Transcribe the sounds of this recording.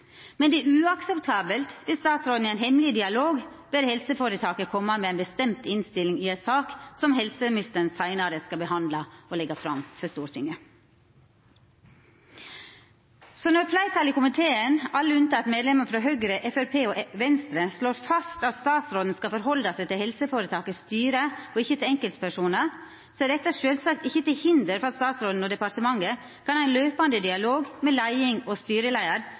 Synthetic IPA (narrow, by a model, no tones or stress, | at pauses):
mɛnd̪ɛːʉːɑksɛpt̪ʰɑːbəlt̪ʋɪlst̪ɑːt̪sɾoːd̪n̩æɪnhɛmlɪd̪ɪɑloːɡ | beɾhɛlsəfoːɾət̪ʰɑːkəkʰɔmːəmeːæɪnbəst̪ɛmt̪ɪnst̪ɪlɪŋɪɛt̪sɑːksɔmhɛlsəmɪnɪst̪əɾnsæɪnɑɾəskɑbəhɑnd̪lɑolɛɡɑfɾɑ̰mfɔst̪uːɾt̪ʰɪŋə | sɔnɔɾflæɪt̪ʰɑːlɪkʊmɪt̪ʰeːənɑlːəʉnt̪ɑːɑt̪meːd̪lɛməfɾɑɦœɡɾəʔɛfæɾpʰeːoːʔʋɛnst̪ɾəsloːɾfɑst̪ɑt̪st̪ɑːt̪sɾoːd̪n̩skɑfɔɾhɔld̪ɑsæɪt̪ɪlhɛlsəfoːɾət̪ʰɑːkəst̪yːɾəoɪçːət̪ʰɪlɛŋkəlt̪spʰæʂuːnə | sɔæɖɛt̪ːəʂøːlsɑk̚t̪ɪçːət̪ɪlhɪnd̪əɾfɾɑt̪st̪ɑːt̪sɾoːd̪n̩oːd̪ɛpɑɾt̪əmɑŋːə | kɑnæɪløːpɑnd̪əd̪ɪɑloːɡmɛlæɪɪŋɔst̪yːɾəlæɪəɾ